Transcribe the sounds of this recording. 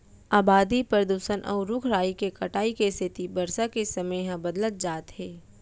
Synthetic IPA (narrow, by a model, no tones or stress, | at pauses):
aːbaːd̪ipɾəɾəd̪uːsənʔɔ̰ːʊɾːʊkʰɾaːikekɐʈaːikest̪ʰɪt̪ibɐɾsakesɐməjɦãbɐd̪lət̪̚d͡ʒaːt̪ɦɛː